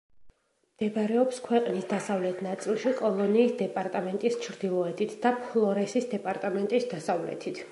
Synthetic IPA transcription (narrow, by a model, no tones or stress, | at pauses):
md̪̥ɛbaɾɛɔpskʰwɛqʼnisd̪asavlɛt̪ʰnat̪sʼilˠʃikʼɔlˠɔniːsd̪ɛpʼaɾt̪ʼamɛnt̪ʼist͡ʃʰɾd̪ilˠɔɛd̪ʰit̪ʰd̪apʰlˠɔɾɛsisd̪ɛpʼaɾt̪ʼamɛnt̪ʼisd̪asavlɛ̰t̪ʰit̪ʰ